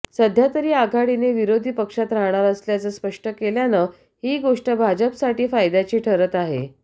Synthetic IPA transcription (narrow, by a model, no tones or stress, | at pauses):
səd̪ʱjat̪əɾiːaɡʱaɽineʋiɾod̪ʱiːpəkʂat̪ɾaɦɳ̃aɾəsljat͡səːspəʂʈəkeljanə | hiːɡoʂʈəbʱad͡ʑəpsaʈiːfajd̪at͡ɕiːʈʰəɾət̪aɦḛ